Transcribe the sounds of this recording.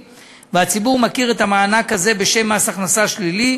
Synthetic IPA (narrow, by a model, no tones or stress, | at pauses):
veat͡sibuʁmakiʁe̞t̪amaːnakaze̞be̞ʃe̞masaχnasaʃlili